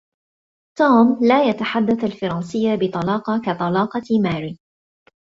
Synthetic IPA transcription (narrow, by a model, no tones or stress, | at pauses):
t̪uːmlaːjat̪aħad̪ːaθalfɑɾˤɑːnsɪjːabɪt̪ˤɑlɑːqɑkat̪ˤɑlɑːqɑmaːɾi